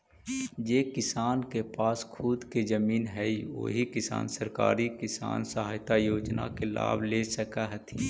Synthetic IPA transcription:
d͡ʒeːkɪsaːnkepaːskʰuːd̪kezəmiːnɦɛiʋo̰ːɦikɪsa̰ːnsəɾka̰ːɾikɪsa̰ːnsəɦaːjt̪ajoːd͡ʒna̰kela̰ːbʱlesəkaɦət̪ʰi

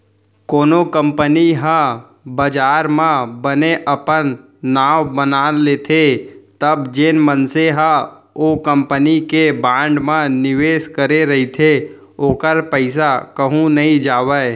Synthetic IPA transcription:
koːnokə̃mpəniɦə̃ | bəd͡ʒaːɾmãbəneʔəpənː | aːʋbənaːleːt̪ʰet̪əbd͡ʒenmənseɦə | okə̃mpənikebãːɳɖmãnɪʋeːskəɾeɾəɦit̪ʰe | oːkəɾpəɪsakəɦũnəɦĩd͡ʒaːʋə

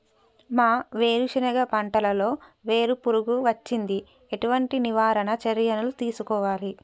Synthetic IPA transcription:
maːʋe̞ːɾuʃɐnɐɡɐpɐɳʈɐlɐlo̞ːʋe̞ːɾupuɾuɡuʋɐt͡ʃːind̪i | e̞ʈuʋɐɳʈiniʋaːɾɐnɐt͡ʃɐɾjɐnɐlut̪iːsukɔːʋaːli

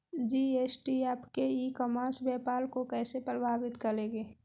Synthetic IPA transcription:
d͡ʒiːeːsʈiaːpkeikɔmaːsbjɛːpaːlkokɛːsepɾəbʱaːbɪt̪kɐɾẽːɡeː

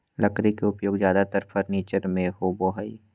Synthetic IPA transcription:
lɐkɾikeʊpjoːɡzjaːd̪at̪əɾpʰəɾniːt͡ʃəɾmẽhoːboːɦaḭ

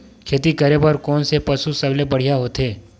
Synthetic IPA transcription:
kʰeːt̪ikɐɾepɐɾkɔːnsepɐsusɐblebɐɽ̤ijaɦoːt̪eː

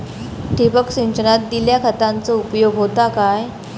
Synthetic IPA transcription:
ʈipəkɕiɲt͡ɕənat̪̚d̪iljakʰət̪ãnt͡sɔupjoɡɦot̪akaj

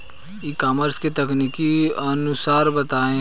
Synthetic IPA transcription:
ikaːməɾsket̪ɐkniːkiənʊsaːɾbət̪aːẽ

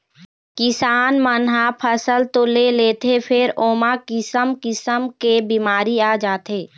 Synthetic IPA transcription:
kɪsaːnmənɦapʰəsəlt̪oleleːt̪epʰɪɾoːmakɪsəmkɪsəmkebimaːɾiaːd͡ʒaːt̪eː

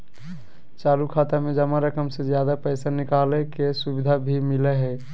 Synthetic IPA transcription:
t͡ʃaːlukʰaːt̪amẽd͡ʒəmaɾəkəmsezjaːd̪apɛɪsanɪkaːlekesubɪd̪ʱabʱimɪleɦɛː

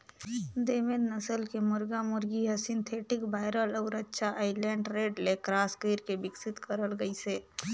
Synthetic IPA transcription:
d̪emed̪nəsəlkemʊɾɡamʊɾɡiɦəsint̪ʰeʈikbaɪɾəlɔʊɾətːʃʰaʔaɪleɳɖɾeɖlekɾaskiɾkebɪksit̪kəɾəlɡəjse

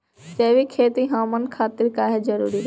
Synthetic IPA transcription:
d͡ʒɐɦʋikʰeːt̪iɦaːmənkʰaːt̪ɪɾkaːɦezɐɾuːɾid

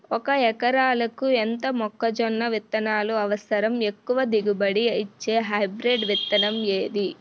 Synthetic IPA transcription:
ɔkɐɛkɐɾaːlɐkuent̪ɐmɔkːɐd͡ʒɔnːɐʋit̪ːɐnaːluɐʋɐsɐɾɐme̞kːuʋɐd̪iɡubɐɽiɐjit͡ʃːeːɦɐjbɾeɖʋit̪ːɐnɐmleːd̪i

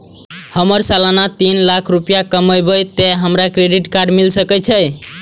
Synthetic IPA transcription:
həməɾsalanat̪inlakʰɾupijakəməjbəjt̪eɦəmɾakɾeɖiʈkaɾɖmilsəkət͡ʃʰəj

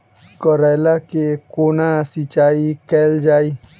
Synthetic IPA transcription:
kɔɾajlakekoːnasit͡ʃaːikɛːld͡ʒaːi

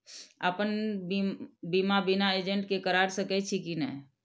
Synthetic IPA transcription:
apənbibimabinaed͡ʒə̃ɳʈkekəɾaːɾsəkɛt͡ʃʰikinɛ̰ː

